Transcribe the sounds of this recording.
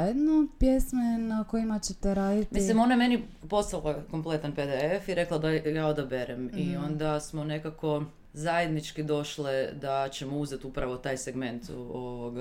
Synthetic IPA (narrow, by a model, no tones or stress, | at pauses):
jed̪nopjesmenako̞jimat͡ɕet̪eɾaːd̪it̪mislimo̞najemeni | po̞st̪alˠako̞mplˠe̞t̪anped̪eefiɾe̞klˠad̪ajaod̪abe̞ɾemio̞nd̪asmone̞kako̞ | zaje̞d̪nit͡ʃkid̪o̞ʃled̪at͡ɕemouzet̪upɾaʋo̞t̪aːjseɡme̞nt̪oʋoɡ